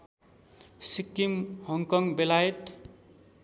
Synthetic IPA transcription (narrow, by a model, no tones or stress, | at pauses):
sikːimhʌŋkʌŋbelajet̪